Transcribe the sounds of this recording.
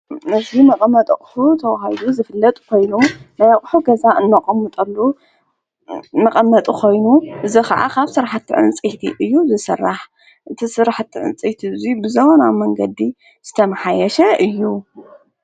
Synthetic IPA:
nɨzimɐqʼmɐt̪ʼɐkʼħut̪ʰɐwaɦajd̪uzɨfɨlːɐt̪ʼkʰo̞jnumnajakʼħuɡɐzaʔɨnːɐqʼɐmːɨt̪ʼɐlːu | mɐqʼɐmːɐt̪ʼukʰo̞jnuʔɨzikʰɐ̰ʕa̰kʰaβsɨɾħat̪ːḭʕɨ̰nt͡sʼijt̪ʰḭʔɨjːuzɨsɐrːaħ | ʔɨt̪ʰisɨɾaħat̪ʰːḭʕɨ̰nt͡sʼijt̪ʰizibɨzɐwonamɐŋɡɐd̪i | z̥ɨt̪ʰɐmɐħajɐʃɐʔɨjːu

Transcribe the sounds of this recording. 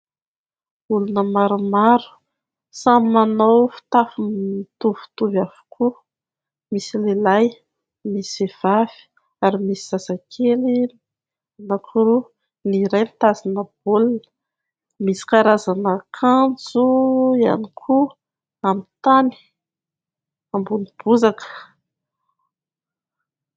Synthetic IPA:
ulunəmaɾumaɾu̥ | sammanowfi̥t̪afumit̪uvu̥t̪uvavu̥kʰu | misilelaj | misiev̥av̥i̥ | aɾimisiz̥azakʰeli | nakʰuɾu | niɾajnit̪azinəb̥ulinə̥ | misi̥kaɾazanəkʰant͡suia̰nikʰu | amit̪ani̥ | ambunib̥uzakə̥

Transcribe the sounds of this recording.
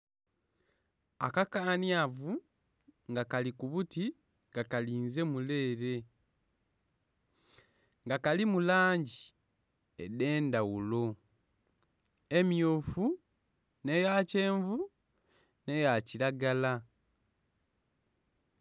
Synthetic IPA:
a̰kakaːnijavu | ŋɡakalikuβuti | ŋɡakaliːnze̞mule̞ːɾe̞ | ŋɡakalimulaːɲɟi | ḛde̞ːndawulo̞ | e̞mjofu | nejace̞ːɱvu | ne̞jacilaɡala

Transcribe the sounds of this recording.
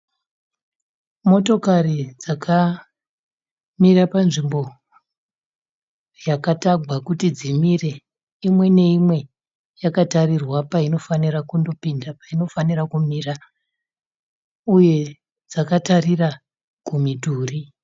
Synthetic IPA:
mo̞to̞karid͡zakʰa | mirapanʐimbo̞ | jakataɡʱwakutid͡zimire̞ | imwe̞ne̞imwe̞ | jakatarirwapaino̞fanirakundo̞pindapaino̞fanirakumira | uje̞ | d͡zakatarira | ɡ̥ʱumiduːri

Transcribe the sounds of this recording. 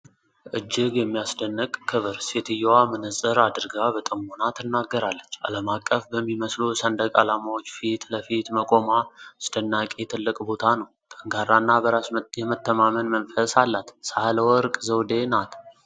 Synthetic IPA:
ʔɨd͡ʒːɪɡjɛmːijasd̪ənːɨkʼkʰːɨβɨɾset̪ʰɨjːɛwamɨnɨsʼəɾad̪ɨɾɡabət̪ʼəmonat̪ɨnːaɡːəɾalːət͡ʃːa̰ləmakʼːəfbəmːiməslusənd̪əkʼalamawot͡ʃːfit̪ləfit̪məkʼo̞masd̪̥ənːakʼe̞t̪ʰɨlːɨkʼbo̞t̪ʰanəwt̪ʼəŋɡaɾːanːabəɾasjɛmət̪ːəmamənmənfəsalːat̪sahləwɔɾkʼzəwd̪e̞nat̪

